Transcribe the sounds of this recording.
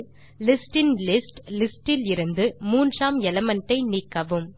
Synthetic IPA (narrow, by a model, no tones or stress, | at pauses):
lɪsʈɪnlɪsʈlɪsʈɪlɪɾɯnd̪ɯmuːndraːmɛlɐmɐɳʈːɐɪniːkːɐʋɯm